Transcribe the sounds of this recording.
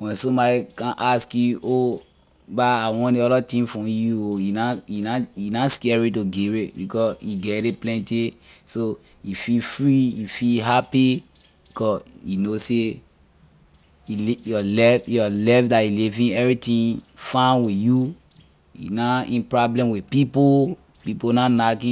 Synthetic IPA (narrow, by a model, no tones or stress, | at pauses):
wɛ̃nsɔ̃mbɔdikãnʔaskjuʔo | baawɔ̃neɔdɔtĩmfɹɔ̃mjuojunajinajunaskɛɹitoɡiɹebikɔsjiɡɛɾeplɛ̃ntiso | jifilfɹijifilɦapi | bikʰɔsjinose | iljɔlɛjɔlɛfdailivĩnɛvɹitĩnfãnwiju | jṵnaĩnpɹɔblɛ̃mwipipo | piponanakĩ